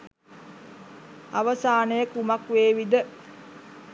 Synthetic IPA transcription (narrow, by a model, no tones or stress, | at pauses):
aʋəsaːnəjəkumakʋeːʋid̪ə